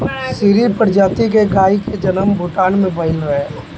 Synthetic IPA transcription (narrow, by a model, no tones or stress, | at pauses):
siːɾipəɾd͡ʒaːt̪ik̬eɡaːiked͡ʒənəmbʱʊʈaːnmẽbʱəɪlɾəeː